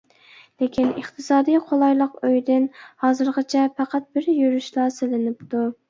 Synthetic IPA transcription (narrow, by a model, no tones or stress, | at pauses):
lekʲʰinəχt̪ʰɨsɑːd̪ɨjqʰolˠɑjlˠəqøjd̪ɪnhɑːzɨɾʁət͡ʃʰɛpæqʰɑt̪̚bɪɾjyɾyʃlˠɑːsɪlɪnɪp̚t̪u